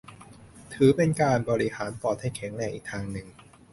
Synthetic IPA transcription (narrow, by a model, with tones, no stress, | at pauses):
t̪ʰɯː˩˦pe˧nkaː˧nbɔː˧ɾi˦˥haː˩˦npɔː˨˩t̪̚ha˥˩jkʰɛ˩˦ŋnɛː˧˩ŋʔiː˨˩k̚t̪ʰaː˧ŋnɯ˨˩ŋ